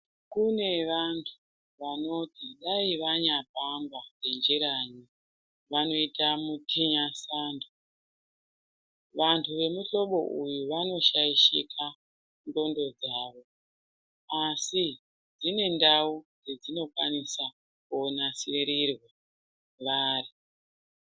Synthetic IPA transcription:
kune̞ʋantʰu̥ | ʋano̞tiɗaiʋaɲap̚ambakend͡ʒeɾaɲi | ʋano̞itamutʰiɲasaːndo | ʋantʰuʋe̞muɬo̞ɓo̞̰ʔujuʋano̞ʃaiʃikʰa | ndo̞ndo̞d͡zaːʋo̞ | asi | d͡zine̞ndaud͡zed͡zino̞kwanisa | konasieɾirwa | ʋaːri

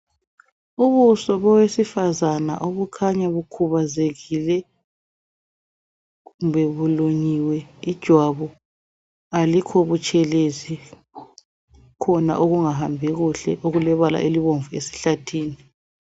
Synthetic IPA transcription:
uβusɔβɔwesifazana̰ʔoβukʰaɲaβukʰuβazeɣilɛ | ɣumbɛβuloɲiwɛid̥ʒ̥ʱwaβɔ | alikʰoβut͡ʃʼʰɛlezi | kʰɔna̰ʔoɣuŋaɦambʱɛɣuɬɛʔoɣulɛβala̰ʔeliβoɱvuesi̥ɬatʰiːni

